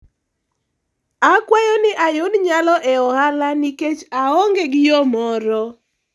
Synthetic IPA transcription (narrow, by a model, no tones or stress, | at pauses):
akwajɔnɪʔajonɲalɔʔɛɔhalaniket͡ʃaɔŋɡeɡɪjɔmɔɾɔ